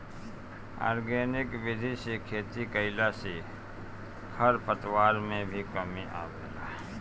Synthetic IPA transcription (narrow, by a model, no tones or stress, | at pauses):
a̰ːɾɡeːnɪkʋɪd̪ʱiʃekʰeːt̪ikəɪlase | kʰəɾpət̪waːɾmẽbʱikəmiʔa̰ːbḛːla̰ː